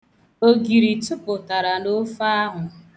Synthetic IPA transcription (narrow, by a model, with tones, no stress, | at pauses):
o˦ɡi˨ɾi˨tu˦pʊ˨ta˨ɾa˨no˦fa˦a˦ɦʊ˨